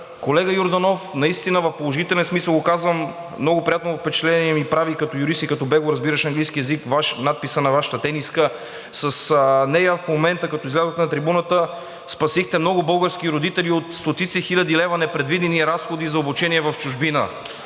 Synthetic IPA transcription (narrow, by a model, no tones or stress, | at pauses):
kolɛɡəjʊɾd̪ɐnofnɐist̪inəvɐfpolˠoʒit̪ɛlʲɛnsmisəlˠɡokazvəm | mːnoɡopɾijat̪novɐfpɛt͡ʃɛ̥t̪lɛniɛmipɾavikɐt̪ɔjuɾist̪ikɐt̪ɔbɛɡoɾɐzbiɾəʃɐŋɡlijskiɛzikvaʃnat̪̚pisənɐvaʃə̥t̪ət̪ɛniskə | sɐsnɛjəfmomɛnt̪əkɐt̪ɔizɡlʲazət̪ənɐt̪ɾibunət̪ə | spɐsixt̪ɛmnɔɡʊbɤlˠɡəɾskiɾod̪it̪ɛliot̪st̪ot̪it̪sɛxilʲɐd̪ilɛvɐnɛpɾɛd̪vid̪ɛniɾasxod̪izɐobut͡ʃɛniɛvɐft͡ʃʊʒbinə̰